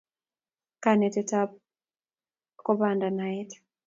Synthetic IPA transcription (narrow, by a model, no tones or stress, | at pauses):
kanɛtɛtap̚ | kɔbandanaɛt